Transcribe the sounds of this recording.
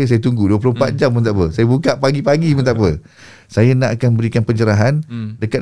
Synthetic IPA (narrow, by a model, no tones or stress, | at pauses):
s̬ajat̪uŋɡuduəp̬lompat̪̚d͡ʒamːə̃nt̪aʔpəsajabukaʔpaɡipaɡimə̃nt̪aʔpə | sajanãʔakanmbəɾikanpəɲd͡ʒəɾaɦandəkat̪̚